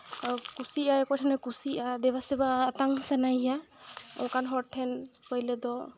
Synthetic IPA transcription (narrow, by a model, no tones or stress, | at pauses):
kusiajɛkɔʈʰanɛkusiʔad̪ɛbasɛbaːt̪aŋsanaja | ɔ̰̃wkanɦɔɾʈʰːɛnkɔjlɛd̪ɔ